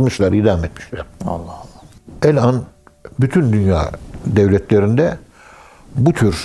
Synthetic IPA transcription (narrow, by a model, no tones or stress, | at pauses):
mɯʃlˠaɾid̪aamet̪miʃlʲæɾ̥alˠːɑlˠːɛlʲanbyt̪ʰynd̪ynja̰ːd̪ɛvlʲɛt̪ʰlʲeɾind̪ɛ | but̪ʰyɾ